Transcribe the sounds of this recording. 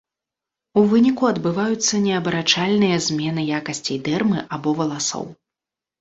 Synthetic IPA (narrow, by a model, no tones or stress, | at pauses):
uvɨnʲikuɐd̪bɨvajut̪sːɐnʲɛɐbɐɾat͡ʂalʲnɨjɐzʲmʲɛn̪ɨjakɐsʲt͡sʲɐjd̪ɛrmɨʔabɔvɐlˠasɔ̰w